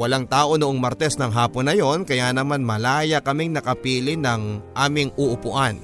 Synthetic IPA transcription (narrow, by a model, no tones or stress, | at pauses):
wɐlaŋt̪aːʔo̞nʊʔoŋmɐɾt̪ɛsnɐŋɦaːponːɐjo̞nkɐjaːnɐmanmɐlaːjɐkɐmɪŋnɐkɐpiːlɪnɐŋʔaːmɪŋʔuʔʊpʊʔan